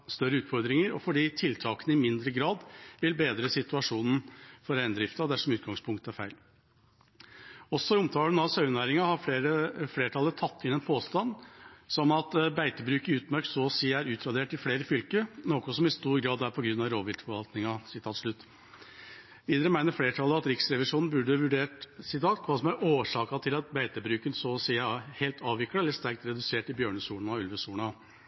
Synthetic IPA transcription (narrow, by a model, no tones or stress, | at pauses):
st̪œɾːəʉːt̪fɔɾd̪ɾɪŋəɾɔfɔɖiːt̪ʰɪlt̪ʰɑːkənəɪmɪnd̪ɾəɡɾɑːd̪ʋɪlbeːd̪ɾəsɪt̪ʉɑʂuːnn̩fɔɾæɪnd̪ɾɪft̪ɑd̪æʂɔmʉːt̪̚ɡɑŋspʰʊŋk̚t̪əæɾfæɪl | ɔsːɔʊmt̪ʰɑːɡənɑʋsɑʉnæːɾɪŋɑhɑəfleːʈʰɑlət̪ʰɑt̪ʰːɪnɛnpʰoːst̪ɑnsɔmɑt̪bæɪt̪əbɾʉːkɪʉːt̪mœɾk̪sɔɔsiːæɾʉːt̪ʰɾɑd̪eːʈɪfleːɾəfʏlkənoːkʊsɔmɪst̪uːɾɡɾɑːd̪æɾpʰɔɡɾʉnːɑʋɾoːʋɪlt̪fɔɾʋɑlt̪nɪŋɑsɪt̪ʰɑːt̪ʂɭʉt̪ː | ʋiːd̪əɾəmæɪnəɾfleːʈʰɑləɑt̪ɾɪksɾɛʋɪʂuːnn̩bʉɖəʋʉɖeːʈsɪt̪ʰɑːt̪kʰʋɑːsɔmæɾoːʂɑːkɑt̪ʰɪlɑt̪̚bæɪt̪əbɾʉːkənsɔsiːæheːlt̪ʰɑːʋʋɪkːəɛlːəʂt̪æɾk̚t̪ɾɛd̪ʉseːʈɪbjøːɳəsuːn̩ɑʉlʋəsuːɳɑ